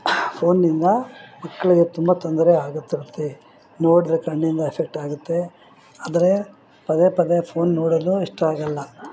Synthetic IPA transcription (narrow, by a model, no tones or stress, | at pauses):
pʰo̞ːnːind̪ɐmɐkːɐɭɐɡet̪umbɐt̪ond̪ɐɾeaːɡut̪ːiɾut̪ːe̞ | noːɽid̪ɾɐkɐɳːind̪ɐepʰek̚ʈaːɡut̪ːe̞ | aːd̪ɐɾe | pɐd̪epɐd̪epʰo̞ːnːoːɽɐd̪uiʂʈɐaːɡɐlːɐ